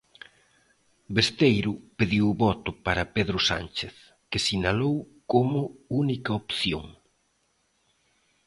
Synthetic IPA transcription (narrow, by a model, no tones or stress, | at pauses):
best̪ejɾʊpeðiwβɔt̪ʊpaɾɐpeðɾʊsa̰nt͡ʃeθ | kɪsinalow | komʊunikɐopθjo̰ŋ